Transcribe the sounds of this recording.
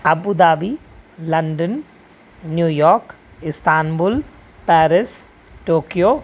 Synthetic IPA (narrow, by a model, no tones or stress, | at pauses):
ɐbud̪aːbi | lɐɳɖənː | juːjɔːɾk | ɪst̪aːnbul | paːɾɪs | ʈoːkijoː